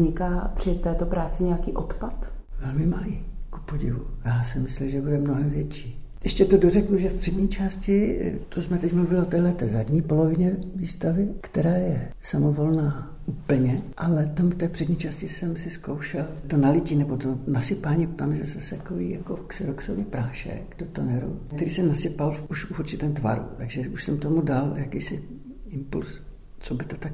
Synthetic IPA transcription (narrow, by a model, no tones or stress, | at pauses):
zɲɪkaːpr̥ɪt̪ɛːt̪opɾaːt͡sɪɲɛjakiːʔo̰t̪pat̪vɛlmɪmajiku̥poɟɪ̰vṵjaːsɪmɪslimʒɛbudɛmno̞ɦɛmvjɛt͡ʃiː | ʔɛʃcɛt̪odorɛkuʒɛfpr̥ɛdɲiːt͡ʃaːscɪt̪osmɛt̪ɛcmluvɪlɪot̪ɛːlɛt̪ɛːzadɲiːpo̞lo̞vɪɲɛviːst̪avɪkt̪ɛɾaːjɛsamovo̞lnaː | uːpl̩ɲɛʔalɛt̪amft̪ɛːpr̥ɛd̪ɲiːt͡ʃaːscɪsɛmsɪskowʃɛlt̪onalɪciːnɛbot̪onasɪpaːɲiːt̪amʒɛsɛsɛkojijakoksɪɾoksovɪpɾaːʃɛ̰kdot̪ənɛɾṵk̚t̪ɛɾiːsɛnasɪpaluʃufuɾt͡ʃɪt̪ɛːmt̪va̰ɾṵt̪aɡʒɛuʃsɛmt̪omudaljakiːsɪ | ɪmpṵls | t͡sobɪt̪ot̪ak